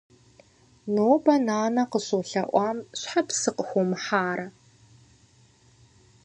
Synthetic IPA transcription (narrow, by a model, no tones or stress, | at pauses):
noːbɐnaːnɐqəɕoɬɐʔʷɑːmɕʷħapsɨqxʷʊmħaːɾɐ